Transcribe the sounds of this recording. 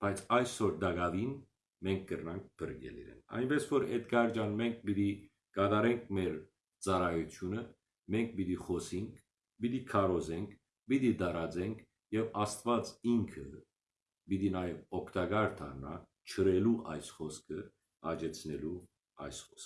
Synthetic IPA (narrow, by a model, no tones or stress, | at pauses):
b̥ɑjt͡sʰɑjsɔɾd̪ɑɡɑvin | mɛŋkʰɡəɾnɑŋk̚pʰəɾɡɛ̰lḭɾɛ̰nɑ̰jnbɛsvɔɾɛd̪ɡɑɾd͡ʒɑnmɛŋk̚ʰbid̪i | kɑd̪ɑɾɛŋkʰmɛɾ | t͡sɑrɑjut̪ʰjunə | mɛŋkʰbid̪iχɔsiŋkʰ | bid̪ikʰɑɾɔzɛŋkʰ | bid̪id̪ɑɾɑd͡zɛŋkʰ | jɛvɑst̪vɑt͡siŋkʰə | bid̪inɑjɛvɔkʰt̪ɑɡɑɾt̪ʰɑɾnɑ̰ | t͡ʃʰəɾɛluʔɑjsχɔskʰə | ɑd͡ʒɛt͡sʰnɛlu | ɑ̰jsχɔsk